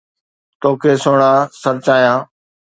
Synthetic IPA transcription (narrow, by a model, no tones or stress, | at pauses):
t̪oːkʰeːsoːɽãːsəɾt͡ʃaːjãː